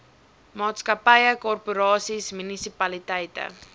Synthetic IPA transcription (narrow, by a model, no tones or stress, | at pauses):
mɑːtskɐpəjəkɔrpuɾɑːsismynisipɐlitɛjtə̰